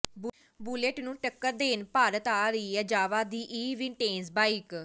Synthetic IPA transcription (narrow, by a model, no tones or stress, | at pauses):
b | buːleʈnũːʈəkːəɾd̪eːnpaːɾət̪aːɾəiːəd͡ʒaːʋaːd̪iːʔiːʋɪɳʈeːnsbaːik